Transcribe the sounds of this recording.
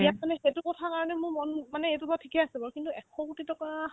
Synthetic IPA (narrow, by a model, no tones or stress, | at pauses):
ijat̚manɛxetukɔtʰakaɹɔnɛmʊɹmɔnmanɛetubatʰikɛasɛbɔɹkintuɛkʰɔkutitɔka